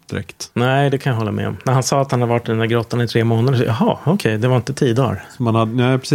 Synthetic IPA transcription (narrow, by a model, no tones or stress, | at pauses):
d̪̥ɪɾɛ̰kt̪næɪd̪ɛkʰanjaɦɔlːa̰mɛ̰ɔ̰mnæɾhansɑːat̪hanhad̪əvaʈːɪd̪ɛnd̪æɾɡɾɔt̪ːanɪt̪ʰɾeːmoːnad̪əʂʔɑ̰ɦɑ̰ːɔkʰɛjd̪ɛvaɾɪnt̪ət̪ʰiːəd̪ɑ̰ːɾsɔmanhad̪nɛpʰɾsi